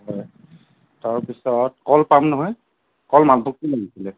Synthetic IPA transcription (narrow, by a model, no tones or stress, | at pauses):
ɦɔj | taɹpisɔtkɔlpamnɔɦɔj | kɔlmalbʱuk̚tilaɡisilɛ